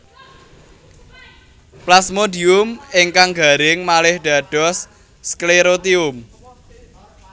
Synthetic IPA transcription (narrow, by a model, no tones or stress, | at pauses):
plasmodiʊmɪŋkaŋɡa̤ɾɪŋmalɪhɖ̥ä̤ɖ̥ɔ̤sː | kleɾot̪iʊm